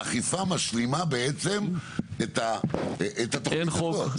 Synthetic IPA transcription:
aχifamaʃlimabeet͡semet̪aʔet̪at̪o

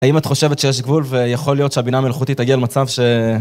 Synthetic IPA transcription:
aimat̪χo̞ʃe̞vet̪ʃejeʃ̬ɡvulve̞jaχo̞lijo̞t̪ʃeabinamelaχut̪it̪aɡialmat͡savʃe̞

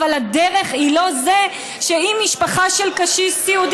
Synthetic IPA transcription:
alad̪eʁe̞χhilo̞ze | ʃeimːiʃpaχaʃelkaʃisiud̪

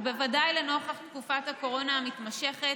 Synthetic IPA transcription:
bevadajleno̞χaχt̪kufat̪hako̞ʁo̞namit̪maʃe̞χet

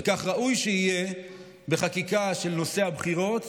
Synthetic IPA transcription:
kaχʁaʔujʃeije̞ | beχakikaʃe̞lno̞se̞habχiʁo̞t̪

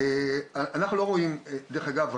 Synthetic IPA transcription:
eaʔanaχnulo̞ʁo̞imd̪eʁeχaɡav

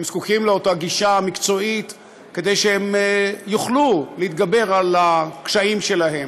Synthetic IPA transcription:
emskukimleotaɡiʃamikt͡so̞it̪ | ked̪ejʃeemjuχluleit̪ɡabe̞ʁalakʃaimʃe̞laɦe̞m

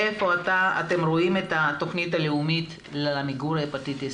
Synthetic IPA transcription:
efo̞ataa̰te̞mɾo̞ime̞tato̞χnitaleumit | laamiɡuɾaepat̪ite

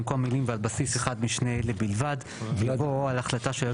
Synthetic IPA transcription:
mkomːilimvealbasiseχad̪miʃne̞lebilvad | vjavoalaχlataʃeja

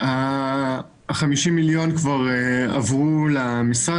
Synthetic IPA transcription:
a | χamiʃimiljo̞nkvaʁea̰vʁulamisʁa

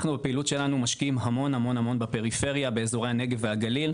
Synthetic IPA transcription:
χnubepiilutʃe̞lanumaʃkiimɦamo̞nhamo̞nhamo̞nbepe̞ʁife̞ʁjabeːzoʁe̞jhane̞ɡeveaɡalil

